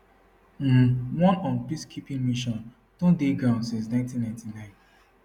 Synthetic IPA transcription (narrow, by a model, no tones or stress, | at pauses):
m̩wɔ̃nɔ̃npiskʰipĩŋmiʃɔ̃n | tũdeɡɾãʊ̃nsĩns̬nãɪ̃ntĩnːãɪ̃ntinãɪ̃n